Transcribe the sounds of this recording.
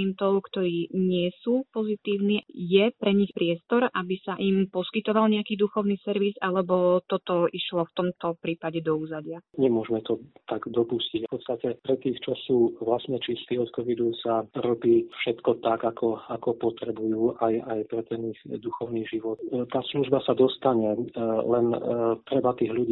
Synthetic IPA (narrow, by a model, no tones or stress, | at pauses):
ɛnt̪ɔʊkt̪ɔɾiːɲɪɛsuːpɔzit̪iːʊniːjɛpɾɛɲixpɾɪɛst̪ɔɾʔabisaʔimpɔskit̪ɔʋalɲɛakiːd̪uxɔʊniːsɛɾʋizalɛbɔt̪ɔt̪ɔiʃlɔft̪ɔmt̪ɔpɾiːpaɟɛd̪ɔuːzaɟɪaɲɛmʊɔʒmɛt̪ɔt̪aɡd̪ɔpuscicpɔt̪st̪acɛpɾɛt̪iːxt͡ʃɔsuːʋlasɲɛt͡ʃist̪iːɔt̪kɔʋid̪usaɾɔbiːfʃɛt̪kɔt̪akakʰɔakɔpɔt̪ɾɛbujuːʔajajpɾɛt̪ɛnixd̪uxɔʊniːʒiʋɔt̪t̪aːsluʒbasad̪ɔst̪aɲɛlɛnt̪ɾɛbat̪iːɣluɟiː